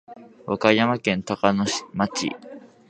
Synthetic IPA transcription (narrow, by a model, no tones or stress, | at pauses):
βakajamakẽ̞nt̪akanoɕmat͡ɕḭ